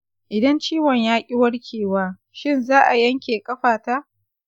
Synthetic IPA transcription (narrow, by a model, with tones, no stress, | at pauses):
ʔɪ˨dɐ˦nt͡ʃiː˦wɐ˨ɲjaː˦kʲʼɪ˦wɐ˦ɽkʲʰeː˨waː˦ | ʃɪ˦˨nzaː˦ʔa˨jɐ˦ŋkʲeː˨kʼɐ˦ɸaː˨taː˦